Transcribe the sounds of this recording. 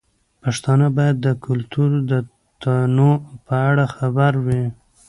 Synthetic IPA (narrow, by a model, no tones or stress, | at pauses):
paʂt̪ɑnəbɑjad̪ːəkʰʊlt̪uɾd̪ə | t̪anopəaɽaxabaɾwi